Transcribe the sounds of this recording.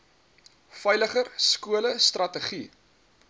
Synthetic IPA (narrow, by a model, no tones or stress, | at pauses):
fəjləχərskuələst̪rɐtəχi